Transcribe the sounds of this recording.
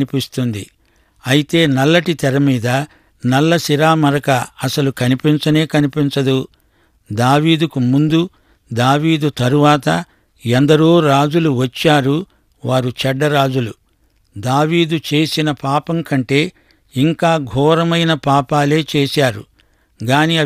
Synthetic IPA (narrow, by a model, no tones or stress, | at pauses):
nipist̪und̪ḭ | ɐjit̪e̞ːnɐlːɐʈit̪ɛɾɐmiːd̪ɐ | nɐlːɐsiɾaːmɐɾɐkɐɐsɐlukɐnipint͡ʃɐne̞ːkɐnipint͡ʃɐd̪u | d̪aːʋiːd̪ukumund̪u | d̪aːʋiːd̪ut̪ɐɾuʋaːt̪ɐ | ɛnd̪ɐɾoːɾaːd͡ʒuluʋɐt͡ʃːaːɾu | ʋaːɾut͡ʃɛɖːɐɾaːd͡ʒulṵ | d̪aːʋiːd̪ut͡ʃeːsinɐpaːpɐŋkɐɳʈe̞ː | iŋkaːɡʱɔːɾɐmɐjnɐpaːpaːle̞ːt͡ʃeːsaːɾṵ | ɡaːniɐ